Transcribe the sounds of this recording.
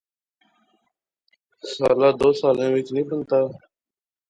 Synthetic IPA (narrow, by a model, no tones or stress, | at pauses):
saːlaːd̪oːsaːlẽːʋɪt͡ʃnĩːbənt̪aː